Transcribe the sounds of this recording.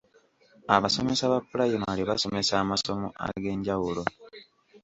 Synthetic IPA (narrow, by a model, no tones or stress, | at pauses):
aβasome̞saβafulajimaliβaso̞me̞saːmaso̞mo̰a̰ɡe̞ːɲɟawulo̞